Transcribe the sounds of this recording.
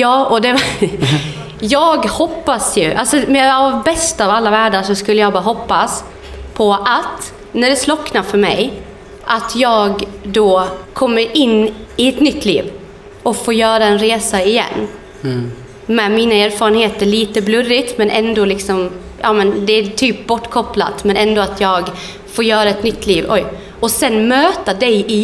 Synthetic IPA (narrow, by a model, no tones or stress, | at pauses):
jɑːɔd̪ɛ | jɑːɡhɔpːasjɵʔalsɔmɛavbɛst̪avalːavæːɖaʂɔskɵlːəjɑɡbɑːɦɔpːas | pʰɔʔat̪ | næɖɛslɔkːnafœɾmɛ̰j | ʔat̪ʰjɑːɡd̪ɔkʰɔmːəɾɪnːɪɛt̪nʏt̪ʰːlḭːv | ɔfoːɾjœːɾaɛnɾeːsaɪjɛ̰nː | mɛːmiːnaeːɾfɑːɾənheːt̪əɾɭiːt̪əblɵrɪt̪mɛnʔɛnd̪ɔlɪksɔm | jʔɑːmɛnd̪ɛæt̪ʰyːp̚bɔʈːkʰɔpla̰t̪mɛnɛnd̪oːat̪ʰjɑːɡ | foːɾjœːɾaɛt̪nʏt̪ːliːvɔ̰j | ɔsɛnmøːt̪ad̪ɛjɪ